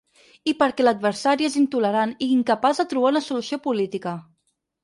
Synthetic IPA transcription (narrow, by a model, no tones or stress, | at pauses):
ipəɾkɛləd̪̚βəɾsaɾiezint̪uləɾaniiŋkəpazðət̪ɾuβ̞aunəsulusiopulit̪ikə